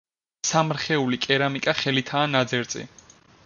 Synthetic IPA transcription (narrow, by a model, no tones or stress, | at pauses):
samɾχɛulikʼɛɾamikʼaχɛlit̪ʰaːnad̪zɛɾt̪sʼḭ